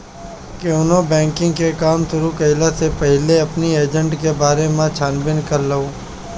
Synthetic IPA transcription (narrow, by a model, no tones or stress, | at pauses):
keʊnõbɛ̃ːŋkɪ̃ŋɡkekaːmt̪ʊɾukɐɪlasepɛɦɪleɐpnieːd͡ʒə̃ɳʈkebaːɾemãt͡ʃʰaːnbɪnkɐɾləoː